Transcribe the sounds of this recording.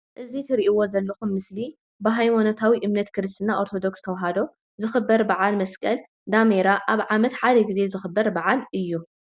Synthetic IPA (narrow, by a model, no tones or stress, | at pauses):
ʔɨzit̪ʰɨɾiʔiwo̞zɐlːɐxumːɨsli | bɨɦajmanot̪ʰawiʔɨmnɐt̪kʰɨɾɨst̪ʰʼinaʔo̞ɾt̪ʰo̞d̪o̞kst̪ʰɐwɦad̪o̞ | zɨxɨbːɐɾbaʕalmɐskʼɐl | d̪ameɾaʔaβʕamɐt̪ħad̪ɐɡize̞zɨxɨbːɐɾbaʕalɨjːu